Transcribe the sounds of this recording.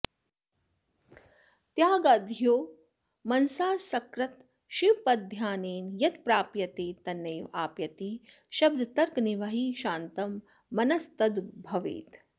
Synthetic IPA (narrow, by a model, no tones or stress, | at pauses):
t̪jaːɡɐd̪ʱjoː | mɐnsaːsɐkɾɐt̪ | ʃipɐd̪ʱjaːneːnjɐt̪pɾaːpjɐt̪eːt̪ɐnːɐjʋa̰ːpjɐt̪i | ʃɐb̚d̪ʱɐt̪ɐɾkniʋɐɦiːʃaːnt̪ɐmː | ɐnɐst̪ɐd̪bʱɐʋḭːt̪